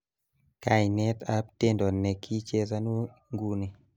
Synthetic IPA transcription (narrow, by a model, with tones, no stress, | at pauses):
ka˨ɲnɛ˦ta˦p̚te˦ndɔ˨nːɛ˨kʰːi˦t͡ʃe˦sa˦nu˦ŋɡu˦ni˨